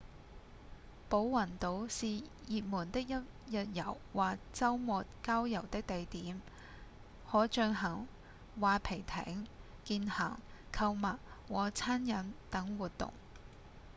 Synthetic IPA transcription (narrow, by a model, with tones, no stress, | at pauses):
po˨˥wːɐ˨˩nt̪o˨˧wsiː˨ | jiː˨t̚muː˨˩nt̪ɪ˥k̚jɐ˥t̚ | jɐ˨t̚jɐ˨˩wwaː˨t͡sɐ˥wmɔː˨˧t̚kaː˥wjɐ˨˩wt̪ɪ˥k̚t̪e˨jt̪iː˨˥m | hɔː˨˥t͡ʃœː˧ŋɦɐ˨˩ŋ | waː˨˧pʰe˨˩jt̪ʰɛ̰ː˨˥ŋ | kiː˧nhɐ˨˩ŋkʰɐ˧wmɐ˨t̚wɔː˨t͡sʰaː˥njɐ˨˥nt̪ɐ˨˥ŋwuː˨t̚t̪ʊ̰˨ŋ